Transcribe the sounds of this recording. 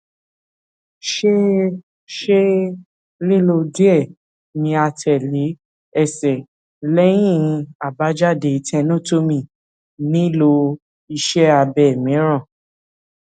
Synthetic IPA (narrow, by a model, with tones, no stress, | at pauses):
ʃe˦ | ʃe˦ | le˦lo˧di˦ɛ˦˨ | mĩ˧a˧tʰɛ˨le˨˦ | ɛ˦˨sɛ˨ | lɛ˦j̃ĩ˦˨˧a˨ba˨˦d͡ʒa˦˨de˧˨i˧tʰɛ̃˧nũ˦˨to˦mĩ˧˨ | nĩ˦lo˧ | i˧ʃɛ˦a˧bɛ˨mĩ˨˦ɾ̃ã˦˨